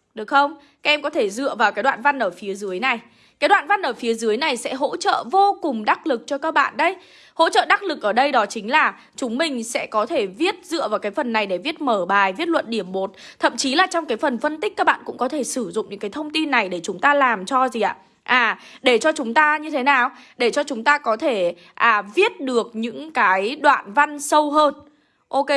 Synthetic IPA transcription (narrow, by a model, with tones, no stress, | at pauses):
ɗɨ˨˩ək̚xə˧wŋ͡m | kaː˦k̚ʔɛ˧mkɔ˨˦t̪ʰe˧˩zɨ̰˧əvaː˨˩wkaː˨˦jɗwa̰ː˧˨nva˧nʔəː˧˩fi˨˦əzɨ˨˦əjna˨˩j | kaː˨˦jɗwa̰ː˧˨nva˧nʔəː˧˩fi˨˦zɨ˨˦jna˨˩jsɛ̰˧˥ɦo̰˧˥t͡ɕə̰ː˧˨vo˧kʊ˨˩ŋ͡mɗa˦˥k̚lɨ˨˩k̚t͡ɕɔ˧kaː˦˥k̚ɓa̰ː˧˨nɗə˧j | ho̰˧˥t͡ɕə̰ː˧˨ɗa˦˥k̚lɨ˨˩k̚ʔəː˧˩ɗə˧jɗɔ˨˦t͡ɕï˨˦ŋ̟laː˨˩ | t͡ɕʊ˨˦ŋ͡mmï˨˩ŋ̟sɛ̰˧˥kɔ˨˦t̪ʰe˧˩vi˦˥ət̚zɨ̰˧˨əvaː˨˩wkaː˨˦jfə˨˩nːa˨˩jɗe˧˩vi˦˥ət̚məː˧˩ɓaː˨˩jvi˦˥ət̚lwə̰˧˨nɗi˧˩əmɓo˨˩t̚t̪ʰə̰˧˨mt͡ɕi˨˦laː˨˩t͡ɕɔ˧wŋ͡mkaː˨˦jfə˨˩nfə˧nt̪i˦˥k̟̚kaː˦˥ɓ̰a̰ː˧˨nkʊ̰˧˥ŋ͡mkɔ˨˦t̪ʰe˧˩sɨ˧˩zʊ̰˧˨ŋ͡mɲɨ̰˧˥ŋkːaː˨˦jt̪ʰə˧wŋ͡mt̪i˧nːa˨˩jɗe˧˩t͡ɕʊ˨˦ŋ͡mt̪aː˧laː˨˩mt͡ɕɔ˧zi˨˩ʔa̰ː˧˨ | ʔaː˨˩ɗe˧˩t͡ɕɔ˧t͡ɕʊ˨˦ŋ͡mt̪aː˧ɲɨ˧t̪ʰe˨˦naː˨˩wɗe˧˩t͡ɕɔ˧t͡ɕʊ˨˦ŋ͡mt̪aː˧kɔ˨˦t̪ʰe˧˩ | ʔaː˨˩vi˦˥ət̚ɗɨ˨˩ək̚ɲɨ̰˧˥ŋkaː˨˦jɗwa̰ː˧˨nva˧nsə˧wɦəː˧n | ʔo˧ke˧